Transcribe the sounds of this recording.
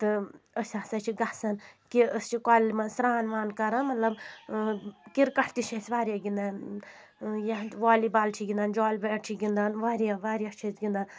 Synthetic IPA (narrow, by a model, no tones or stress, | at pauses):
t̪ɨəsʲaːsɐt͡ʃʰiɡahsɐnkiəst͡ʃʰikaːlmɐsɾaːnʋaːnkɐɾɐmɐt̪lɐb | kiɾkɐʈʰt̪iʃʰɐsʲʋaːɾjaɡind̪aːn | jaʋaːlibaːlt͡ʃʰiɡind̪aːnd͡ʒɔːlbeːʈʈʰiɡind̪aːnʋaːɾijaʋaːɾʲjaːt͡ʃʰɐzɡind̪aːn